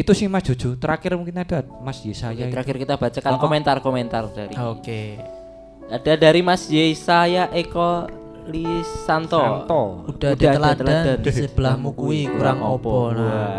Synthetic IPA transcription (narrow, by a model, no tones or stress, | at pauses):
it̪usɪhmasdd͡ʒ̥ṳ̥d͡ʒ̥ṳt̪əɾakɪrmuŋkinad̥a | masjesajaəɾakɪrkit̪ab̥at͡ʃakankoment̪arkomɛnt̪ard̥aɾḭoke | ad̥a̤daɾimasjesajaʔekɔ | lisant̪ɔɔud̥aadaaəlat̪əlaadansəb̥əlamukuikuɾaŋopɔn